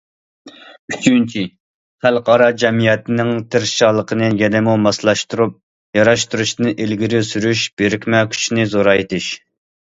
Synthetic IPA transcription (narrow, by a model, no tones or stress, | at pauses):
yt͡ʃʰynt͡ʃʰi | χælqɑɾɑd͡ʒɛmijɛt̪ɪnɪŋt̪ʰɪɾʃɑlˠəqʰənɨjɛnɪmumɑslˠɑʃt̪uɾup̚ | jɑɾɑʃt̪uɾuʃnɨʔelɡʲiɾysyɾyʃb̥eɾɪkʲmɛkʲʰy̥t͡ʃʰinɪzoɾɑjet̪ʰɪʃ